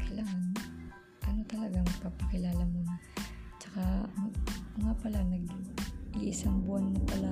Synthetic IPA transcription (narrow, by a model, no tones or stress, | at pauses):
kʰɐjlaːŋan | ʔɐno̞t̪ɐlɐɡaŋɐɡ̚papɐkɪlaːlɐmonat͡ʃɐka | ŋapɐlanɐɡlḭʔsɐŋbʊʔanːɐpɐla